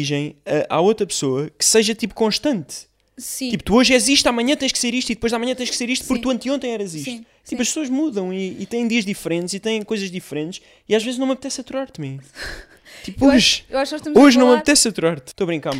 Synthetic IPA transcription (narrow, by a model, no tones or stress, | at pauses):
iʒɐ̃j̃ɐʔa̰ot̪ɾɐpsoɐkɨ̥sɐʒɐt̪ipu̥kõʃt̪ɐ̃nt̪ | sit̪iput̪uoʒɛziʃt̪amɐɲɐ̃t̪ɐ̃j̃ʃkseɾiʃt̪uiðpojʒðamɐ̃ɲɐ̃t̪ɐ̃j̃ʃkseɾiʃt̪upuɾkt̪uɐ̃nt̪ĩõt̪ɐ̃j̃ɛɾɐziʃst̪u | t̪ipuɐʃpsoɐʒmuðɐ̃w̃iːt̪ɐ̃j̃d̪iɐʒd̪ifɾẽnt̪ʃit̪ɐ̃j̃kojzɐʒd̪ifɾẽnt̪ʃ | iaʒvezʒnɐ̃mɐβt̪ɛsɐt̪uɾaɾt̪mẽ | t̪ipoʒewaʃknɔʃt̪ɐmoʒnɐ̃w̃mɐt̪ɛsɐt̪uɾaɾt̪ʃt̪oɐβɾĩŋkaɾ